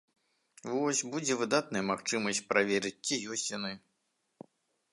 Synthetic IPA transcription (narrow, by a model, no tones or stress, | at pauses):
vɔsʲbud͡zʲɛvɨd̪at̪̚nɐjɐmaxt͡ʂɨmɐsʲt͡sʲpɾavʲɛɾɨt͡sʲːijɔsʲt͡sʲjanɨ